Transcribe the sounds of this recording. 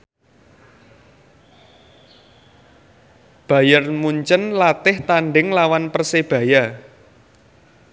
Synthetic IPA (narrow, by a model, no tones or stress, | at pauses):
b̥a̤jərmuɲt͡ʃənlat̪ɪht̪aɳɖɪŋlawanpərseb̥ä̤ja